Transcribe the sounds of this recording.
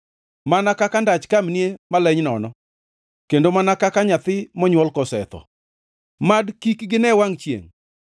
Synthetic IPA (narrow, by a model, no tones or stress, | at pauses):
manakakandat͡ʃkamniemalɛɲnɔnɔ | kendomanakakaɲat̪ɪmɔɲwɔlkɔsɛ̰t̪ɔ̰ | madkikɡɪnɛwaŋt͡ʃjḛŋ